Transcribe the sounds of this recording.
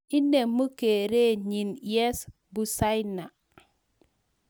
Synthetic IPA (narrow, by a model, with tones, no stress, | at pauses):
i˦nːe˨mu˦ke˨ɾe˦ɲi˨njɛ˦s | bu˨sa˦jna˨